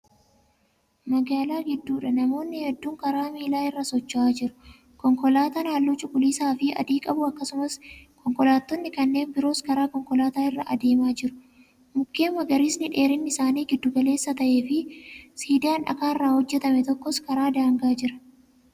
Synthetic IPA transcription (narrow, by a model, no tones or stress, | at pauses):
mɐɡaːlaːɡɪd̪ːuːᶑɐnɐmo̞ːnːɪhɛd̪ːuːŋkɐɾaːmiːlaːɪrːɐsɔt͡ʃːʔaːd͡ʒɪɾʊ̥ | kɔŋkɔlaːt̪anaːlːuːt͡ʃʼʊɡʼʊliːsaːfɪɐ̰d̪iːkʼɐbʊɐkːɐsʊmɐskʰɔŋkɔlaːt̪ːɔnːɪkɐnːe̞ːnbɪɾo̞ːskɐɾaːkɔŋkʼɔlaːt̪aːɪrːɐʔɐd̪e̞ːmaːd͡ʒɪɾʊ̥ | mʊkːeːmɐɡɐɾiːsnɪᶑe̞ːɾɪnːɪɪsaːniːɡɪd̪ːʊɡɐle̞ːsːɐt̪ɐʔeːfɪsiːd̪ɪaːnᶑɐ̰kaːɪrːaːhɔd͡ʒːɛt̪ɐmɛt̪ɔkːɔskɐɾaːd̪aːŋɡaːd͡ʒɪɾɐ̥